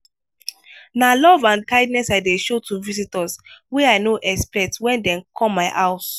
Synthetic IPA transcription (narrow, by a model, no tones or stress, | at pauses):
nalɔvãnkaɪdnɛsaɪdeʃotuvisitəswɛaɪnoʔɛkspɛtwɛ̃ndɛ̃nkʰɔ̃mːaɪʔaʊs